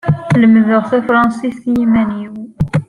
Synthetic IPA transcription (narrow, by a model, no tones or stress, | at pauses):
ləmːðəʁθifɾˤɑnsisjimæniw